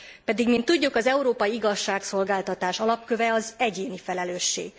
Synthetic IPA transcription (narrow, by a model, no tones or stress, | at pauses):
pɛd̪iɡmint̪ːuɟːukɒzɛuɾoːpɒjiiɡɒʃːaːkso̞lɡaːlt̪ɒt̪aːʃɒlɒp̚kø̞vɛɒzɛɟeːnifɛlɛløːʃːḛːɡ